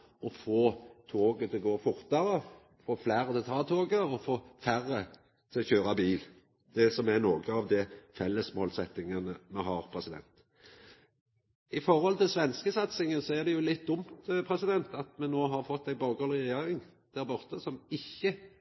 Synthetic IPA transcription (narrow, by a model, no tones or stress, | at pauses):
ɔfoːt̪ʰoːɡət̪ʰɪlɡoːfʊɾt̪ɑɾə | foːflæːɾət̪ʰɪlt̪ʰɑːt̪ʰoːɡəɔfoːfæɾə | t̪ʰɪlɔçøːɾɑbiːl | d̪̥ɛsɔmæɾnoːɡəɑʋd̪ɛfɛlːəsmoːlsɛt̪ːɪŋɑnəmɛɦɑːɾpʰɾɛsɪd̪ɛ̰nt̪ | ɪfɔʁhɔlt̪ʰɪlsʋɛnskəsɑt̪sɪŋənsɔæʁd̪ɛjʊlɪt̪̚d̪ʊmt̪pʰɾɛsɪd̪ɛnt̪ɑt̪mɛnoːɦɑɾfɔt̪ːæɪbɑːɡolɪʁɛjeːɾɪŋ | d̪̥æɑɾbɔʁt̪əsɔmɪçːə